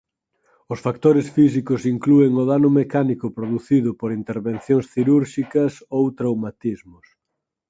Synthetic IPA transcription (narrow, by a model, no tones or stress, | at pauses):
ʊsfak̚t̪oɾesfisikʊsiŋklueŋʊðanʊmekanikʊpɾoðuθiðʊpoɾint̪eɾβenθjõŋsθiɾuɾʃikɐsowt̪ɾawmat̪izmʊs